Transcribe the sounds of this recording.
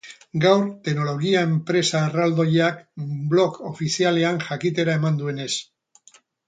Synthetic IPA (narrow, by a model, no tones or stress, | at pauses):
ɡawɾt̪e̞no̞lo̞ɣiae̞mpɾe̞saːrald̪o̞jakblo̞ko̞fisiale̞aŋʝakit̪e̞ɾae̞mand̪ue̞ne̞s